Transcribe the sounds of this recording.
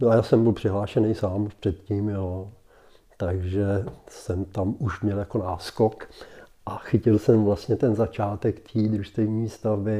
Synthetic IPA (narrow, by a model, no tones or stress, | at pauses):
noajaːsɛmbɪlpr̥ɪɦlaːʃɛnɛjsaːmpr̝̥ɛt̪ciːmjalo | t̪aɡʒɛsɛmt̪amuʃmɲɛljako̞naːskokʔaxɪcɪlsɛmvlast̪ɲɛt̪ɛnzat͡ʃaːt̪ɛkt̪ʰiːd̪ɾuʃt̪ɛvɲiːst̪avbɪ